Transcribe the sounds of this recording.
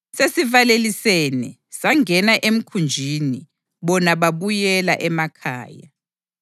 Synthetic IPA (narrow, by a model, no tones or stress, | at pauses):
sesivalelisenɛ | saŋɛnaʔem̩kʰund͡ʒʱini | βɔnaβaβujɛlaʔɛmakʰa̰ːja̰